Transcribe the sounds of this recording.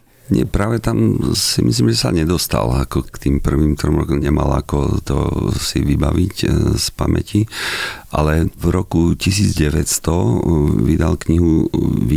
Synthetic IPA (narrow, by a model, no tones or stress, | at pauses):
ɲɛpɾaːʋɛt̪amsimis̬liːmʒɛsaɲɛd̪ɔst̪a̰lakɔt̪iːmpr̩ʋiːmt̪ɾɔmɾɔkɔmɲɛmalakɔt̪ɔ̰siʋibaʋicspamɛ̰ciʔalɛvɾɔkucis̬iːd͡zɟɛʋɛt̪st̪ɔʋid̪alkɲiɦuʋi